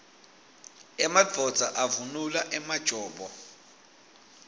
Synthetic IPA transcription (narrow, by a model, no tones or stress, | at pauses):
ɛmad͡vʱɔd̥d͡z̥ʱaʔavunulaʔɛmad̥ʒ̥ʱɔːɓɔ